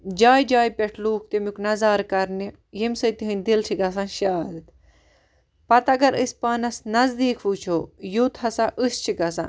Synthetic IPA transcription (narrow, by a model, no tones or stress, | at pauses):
d͡ʒaːjd͡ʒaːjpʲeʈʰluːk̚ʰt̪emuknɐzaːɾkɐɾni | jemʲsɨt̪iɦɨnʲd̪ilʈʰiɡɐs̬anʃaːd̪t̪ | pɐt̪ɐɡɐɾəsʲpaːnɐsnɐzd̪iːkʰʋuːt͡ʃʰoːjoːt̪ʰɦɐsaʔɨst͡ʃʰikɐsa̰